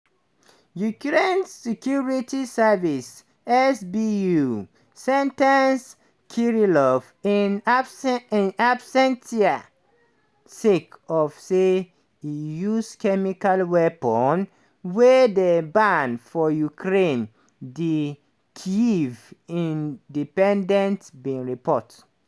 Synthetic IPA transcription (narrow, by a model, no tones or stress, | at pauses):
jukɹẽnsɛkʰjuɹitisɛvis | ɛsbiju | sɛ̃ntans | kʰiɹilɔf | inasabsɛ̃ntia | sikɔfse | ijuskʰɛmikalwɛpɔn | wɛdebãndfɔjukʰɹẽn | di | kʰiivĩndipɛ̃ndɛ̃ntbĩɹipʰɔt